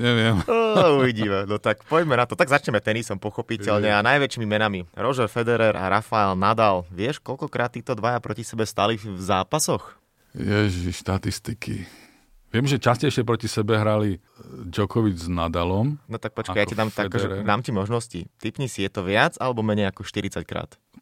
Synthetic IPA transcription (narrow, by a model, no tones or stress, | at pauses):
ɲɛʋɪɛmauʋiɟimɛnɔt̪akpɔɟmɛnat̪ɔt̪aɡzat͡ʃɲɛmɛt̪ɛnisɔmpɔxɔpicɛʎɲɛanajʋɛt͡ʃiːmimɛnamiɾɔʒɛɾfɛd̪ɛɾɛɾʔa̰ɾafaɛlnad̪alʋɪɛʃkɔʎkɔkɾaːt̪ːiːt̪ɔd̪ʋajapɾɔcisɛbɛst̪alivzaːpasɔx | jɛʒiʃʃt̪at̪ist̪ikḭ | ʋɪɛmʒɛt͡ʃascɛjʃɪɛpɾɔcisɛbɛɦɾali | d͡ʒɔkɔʋid͡ʒznad̪alɔmnɔt̪ak̚pɔt͡ʃkajacɛd̪aːmt̪akɔʒɛd̪aːmcimɔʒnɔscḭt̪ipɲisijɛt̪ɔʋɪad͡zalɛbɔmɛɲɛjakɔʃt̪iɾit͡sackɾa̰ːt̪